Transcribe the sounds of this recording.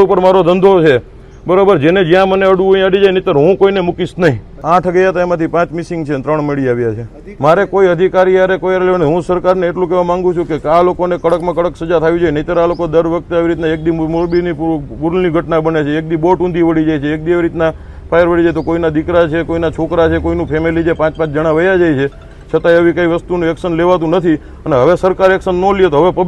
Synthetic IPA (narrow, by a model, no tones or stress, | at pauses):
upəɾmaɾod̪ənd̪ʱot͡ʃʰe | bəɾobəɾd͡ʒened͡ʒjãməneəɽuoĩəɽid͡ʒajnəit̪əɾɦũkoinemukisnəɦĩ | ãʈʰɡəjat̪aemãt̪ʰipãt͡ʃmisiŋɡt͡ʃʰet̪ɾəɳ̃meɭiaʋjat͡ʃʰe | maɾekoiəd̪ʱikaɾiaɾekojaɾleʋanɦũsəɾkaɾneeʈlũk̬eʋumãŋɡũt͡ʃʰũkekalokonekəɽəkmãkəɽəksəd͡ʒat̪ʰaʋid͡ʒojenəit̪əɾalokod̪əɾʋək̚t̪eaʋiɾit̪naek̚d̪imoɾbinibuɾlniɡʱəʈnabənet͡ʃʰeːk̚d̪iboʈũnd̪ʱiʋəɽid͡ʒajt͡ʃʰeːk̚d̪iaʋiɾit̪na | pʰajəɾʋəɽid͡ʒajt̪̬okoinad̪ikɾat͡ʃʰekoinat͡ʃʰokɾat͡ʃʰekoinũpʰemelid͡ʒepãt͡ʃpãt͡ʃʰd͡ʒəɽ̃aʋəjad͡ʒajt͡ʃʰe | t͡ʃʰət̪aəʋikaiʋəst̪unũɛksənleʋat̪ũnət̪ʰi | əneɦəʋesəɾkaɾɛksənːoliet̪oɦəʋepə